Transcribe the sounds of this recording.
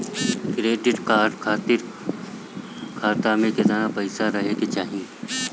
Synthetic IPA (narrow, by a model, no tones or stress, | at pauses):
kɾeːɖɪʈkaːʈkʰaːt̪ɪɾ | kʰaːt̪amẽkɪd̪anapɐɪsaɾɐɦeket͡ʃaːɦiẽ